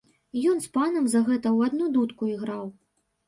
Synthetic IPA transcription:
jɔnspanɐmzɐɣɛt̪ɐwad̪nud̪ut̪kuiɣɾaw

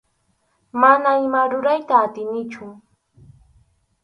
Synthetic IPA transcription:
manaɪmaɾʊɾajt̪aːt̪ɪnɪt͡ʃʊ

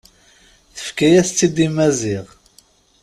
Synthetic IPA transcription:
θə̥fkæjæθt͡sːid̪imæziʁ

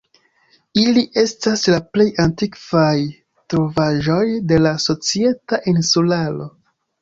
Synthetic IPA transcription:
iliʔe̞staslaple̞jantikv̥aj | tɾovaʒo̞jde̞laso̞t͡sie̞taʔinsulalo̞

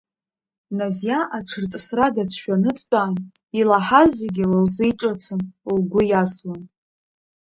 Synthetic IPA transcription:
nazjaʔaʈ͡ʂʰɨrt͡sʼsradat͡sʷʰʃᶣanɨt͡sʼt͡pʼaːn | ilaħazeɡʲlalzɨjʈ͡ʂʼat͡sʰɨnlɡʷʊjaswan

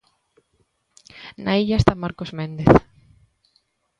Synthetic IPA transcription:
naiʎaest̪amaɾkozmẽnd̪eθ

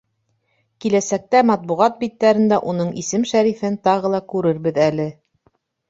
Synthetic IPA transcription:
kilæsæk̚t̪æmɑt̪̚buʁɑt̪̚bit̪ːæɾɘ̆nd̪æʔunɤɴisɘmʃæɾifɘnt̪ɑʁɤ̆lˠɑkʉɾɘɾβɘðælɘ

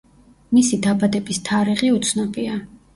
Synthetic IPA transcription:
misid̪abad̪ɛbist̪ʰaɾiʁiut̪sʰnɔbʼia

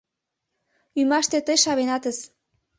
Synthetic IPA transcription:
ymɑʃt̪et̪əjʃɑβenɑt̪əs

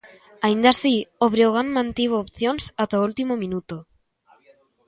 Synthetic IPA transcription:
aind̪asioβɾewɣanmãnt̪iβ̞oːpθjonsat̪oult̪imomĩnut̪o

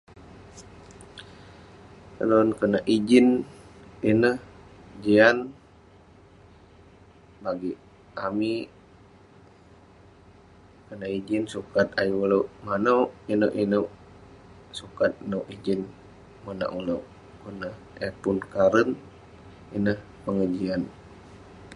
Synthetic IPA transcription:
əɾonkənəʔid͡ʒin | inəhd͡ʒian | baɡi | ami | kənaid͡ʒinsukat̪ajuulomanəwinəʔinoʔ | sukat̪̚nowʔid͡ʒin | məna̰ʔulo | kənə | ɛpunkaɾən | inəh | pəŋəd͡ʒian

